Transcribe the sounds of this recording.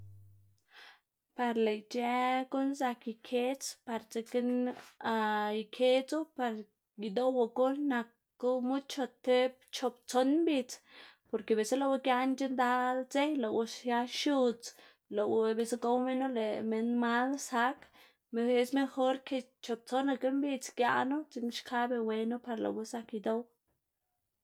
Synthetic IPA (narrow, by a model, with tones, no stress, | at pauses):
pa˧ɾle˨jt͡ʃe˧ko˦nsa˧ki˨kʰe˦t͡spa˧ɾt͡se˧ke˦na˧i˨kʰe˦t͡su˦pa˧ɾ | ji˨d̪o˦wa˧ku˦lna˨kː | u˦mu˦d̪t͡ʃo˧t̪ːe˦b̚t͡ʃo˧p̚t͡so˧nmbi˧t͡spo˨ɾke˨be˨sa˦la˧we˦kja˧nt͡ʃi˦nd̪a˦lt͡se˦jlo˨wu˧ʃja˦ʃu˧t͡s | lo˨wbe˧sa˧˦ɡo˦wme˦nu˦le˨me˧nma˦d̪sa˦k | me˧e˦sme˧xo˦ɾkʰe˧t͡ʃo˨p̚t͡so˦na˧ke˦mbi˧t͡skja̰˧nu˦t͡si˧nʃkʰa˦be˧we˧nu˦pa˧ɾla̰˨we˧˦sa˧ki˧d̪o˦w